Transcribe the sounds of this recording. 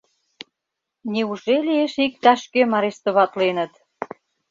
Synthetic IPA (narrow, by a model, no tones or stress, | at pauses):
niuʒelieʃik̚t̪ɑʃkemɑɾeʃt̪ŏβɑt̪lenə̆t̪